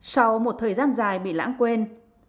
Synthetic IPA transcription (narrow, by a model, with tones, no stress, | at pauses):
sa˧wmo˨˩t̚t̪ʰəː˨˩jzaː˧nzaː˨˩jɓḭ˧˨la̰ː˧˥nkwe˧n